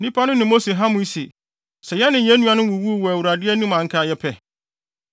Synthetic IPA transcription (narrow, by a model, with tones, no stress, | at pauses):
nĩ˦pʰa˦nʊ̃˦nɪ̃˨mo˦se˨ɦa˦mʊ̃˦i˦se˨ | sɛ˨jɛ˦nɪ̃˨jɛ̃˦nũ˦a˦nʊ̃˦wʊ˨wu˦˨wɔ˨æ˨wu˨ɾa˨dɪ˦ɛ˦nũ˦mã˨ŋ̩˦kʰa˨jɛ˦pʰɛ˨